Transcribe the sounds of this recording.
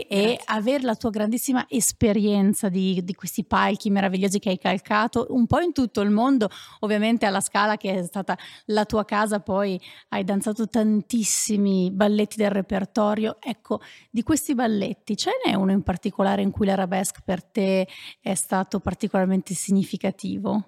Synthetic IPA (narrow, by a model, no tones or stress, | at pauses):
eaveːɾelat̪uːaɡɾand̪isːimaʔespeɾjɛnt̪sad̪id̪ikwest̪ipalk̟imeɾaviʎːoːzik̟eajkalkaːt̪oʔumpɔint̪ut̪ːoilmond̪oovːjament̪ealːaskaːlakeɛst̪aːt̪alat̪uːakaːzapɔjajd̪ant̪saːt̪ot̪ant̪isːimibalːet̪ːid̪elrepert̪ɔːɾjoɛkʰːod̪ikwest̪ibalːet̪ːit͡ʃoɛnɛ̰unoimpart̪ikolaːɾeiŋkujlaɾabɛskpert̪eɛst̪aːt̪opart̪ikolarment̪esiɲːifikat̪iːvo